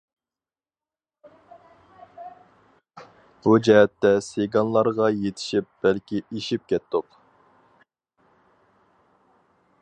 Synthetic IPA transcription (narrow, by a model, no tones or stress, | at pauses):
b̥ud͡ʒɛɦɛt̪ːɛseɡɑnlˠɑɾʁɑjet̪ʰɪ̥ʃip̚b̥ɛlkʲiiʃip̚kʲɛt̪ʰːʊq